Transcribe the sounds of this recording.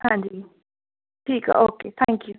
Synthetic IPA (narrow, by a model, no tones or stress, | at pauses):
hãnd̪i | ʈʰika̰ʔokeːt̪ʰãŋkju